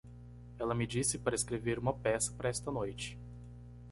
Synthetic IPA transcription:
ɛlɐmɪd͡ʒisɪpaɾɐeskɾeveɾũmɐpɛsɐ̥paɾɐɛst̪ɐnojt͡ʃɪ̥

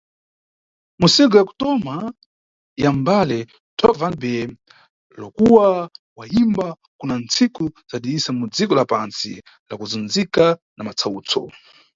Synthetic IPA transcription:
musiɡɔjaku̥tɔma | jambalɛ | tʰɔvanbɛ | lɔkuwawaimba | kunant͡sikuzaɗiisamud͡zikɔlapansḭ | la̰kuzund͡zikanamat͡sʰauːt͡sɔ̰

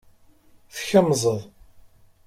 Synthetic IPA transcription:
θçəmzˤəðˤ

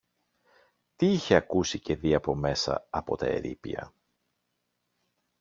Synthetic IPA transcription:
t̪iiçe̞ɐkusice̞ðiɐpo̞me̞sɐ̰ɐpo̞̰t̪ɐe̞̰ɾḭpḭɐ̰

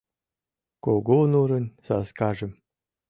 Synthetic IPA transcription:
koɡonuɾə̆nʲsɑskɑʒə̆m

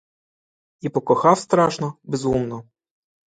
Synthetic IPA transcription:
ipɔkɔxɑwst̪ɾɑʃnɔbezumnɔ

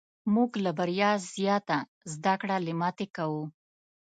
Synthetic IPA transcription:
muɡlabaɾjɑzjɑt̪a | zd̪akɽalɪmat̪ekawu

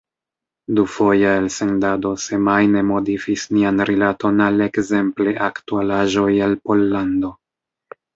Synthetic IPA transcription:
dufo̞jaelse̞ndado̞se̞majne̞mo̞difisnianɾilato̞nale̞kze̞mple̞ʔaktualaʒo̞jalpo̞lːando̞

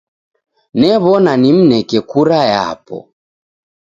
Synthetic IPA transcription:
nɛβɔnanim̩nɛkɛkuɾaja̰pɔ̰

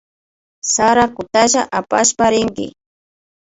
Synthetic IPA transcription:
saɾakʊt̪aʒaʔapaʃpaɾɪŋɡɪ̰

